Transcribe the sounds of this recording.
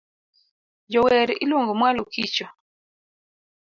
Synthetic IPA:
d͡ʒɔwɛɾiʔiloŋɡɔmwalokit͡ʃɔ

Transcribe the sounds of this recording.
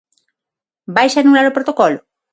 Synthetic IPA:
bajsanulaɾopɾot̪okɔlʊ

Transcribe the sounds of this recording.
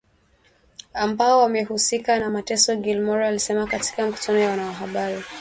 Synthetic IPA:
ambaɔwamɛhusikanamatɛsɔɡilmɔɾalisɛmakati̥kamiku̥tʰanɔjawanawaɦaɓaɾi

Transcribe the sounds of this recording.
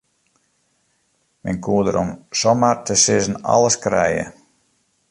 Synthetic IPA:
mɛnkuːədəɾʔɔmsɔmartəsɪzn̩ɑ̰ləskrɛ̰jə̰

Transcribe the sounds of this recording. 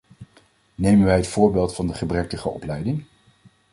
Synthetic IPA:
nejmənʋɛjɦətfʊːɹbeːlˠtfɑndəχəbrɛk̚təχəɔ̰plɛjdɪŋ

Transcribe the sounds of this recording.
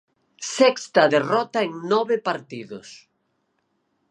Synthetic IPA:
sɛkst̪ɐðerɔt̪aeŋnɔβepaɾt̪iðʊs

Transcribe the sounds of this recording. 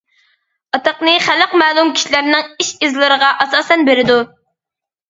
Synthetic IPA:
ɑt̪əqnɨχæləqmæːlˠumkʲʰi̥ʃilæɾnɪŋiʃizlˠɨɾəʁɑʔɑsɑːsɛnbeɾɪd̪u

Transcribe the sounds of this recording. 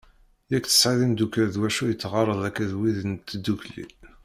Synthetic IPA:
jækθə̥sʕiðimd̪ukæɾðwæʃujət͡sːʁɑɾˤəðˤækːæðwiðənt̪ːd̪ːuklḭ

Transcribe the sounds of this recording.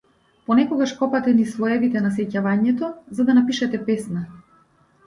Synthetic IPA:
pɔnɛkɔɡaʃkɔpat̪ɛnislˠɔɛvit̪ɛnasɛcavaɲɛt̪ɔzad̪anapiʃɛt̪ɛpɛsna

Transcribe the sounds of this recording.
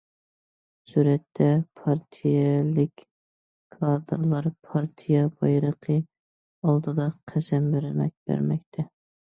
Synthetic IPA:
suɾɛt̪ʰːɛpʰɑɾt̪ʰijɛlɪkʲ | kʰɑd̪ɨɾlˠɑɾpʰɑɾt̪ʰijɛbɑjɾəqʰə | ɑlˠd̪ɨd̪ɑqʰæsɛmbɪɾɪmɛ̰k̚ʲbæ̰ɾmɛk̚ʲt̪ʰɛ

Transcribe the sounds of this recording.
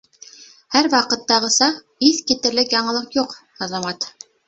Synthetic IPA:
hæɾwɑqɤ̆t̪ːɑʁɤ̆sɑ | iθkit̪ɘ̆ɾlɘkjɑɴɤ̆lˠɤqjuq | ɑzɑmɑt̪

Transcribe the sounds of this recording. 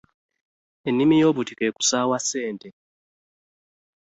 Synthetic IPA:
enːimijo̞ːβutikeku̥sawase̞ːnte

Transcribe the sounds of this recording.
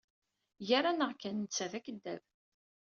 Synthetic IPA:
jæɾanəʁkænnt͡sːæðækːəd̪ːæv

